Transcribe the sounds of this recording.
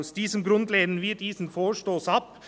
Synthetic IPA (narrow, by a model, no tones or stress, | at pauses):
ʊsd̪ɪsəmɡɾʉnd̪lɛɪd̪nəʋiɾt̪iːsn̩foːʂʈoːsɑp